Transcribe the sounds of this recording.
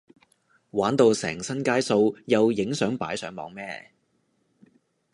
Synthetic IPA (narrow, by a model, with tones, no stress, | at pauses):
waː˨˥nt̪o˨˧wsɛ̰ː˨˩ŋsɐ˥nkaː˥jso˧wjɐ˨wjɪ˨˥ŋsœː˨˥ŋpa̰ː˨˥jsœː˨˥ŋmɔ̰ː˨˥ŋmɛː˥